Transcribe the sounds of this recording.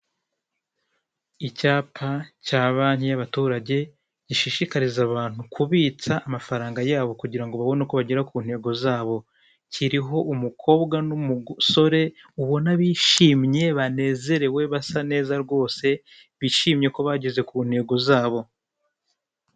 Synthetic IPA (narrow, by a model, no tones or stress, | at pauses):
icaːpʰacaːβan̥hijaβatuːɾaɟe̞ | ɟiʃiʃikaɾizaβaːn̥hukʰuβit͡saʔːmafaɾaːŋɡajaːβo̞kuɟiɾaŋɡo̞βaβo̞nekoβaɟeɾakuːn̥he̞ɡo̞zaːβo̞ | cʰiɾiɦo̞ʔumukʰo̞ːbɡanumuso̞ɾe̞ | uβo̞naβiːʃiːmɲe̞βane̞ːze̞ɾe̞we̞βasane̞ːzaɾɡo̞ːse̞ | βiʃiːmɲe̞ko̞βaɟe̞ze̞kuːn̥he̞ɡo̞zaːβo̞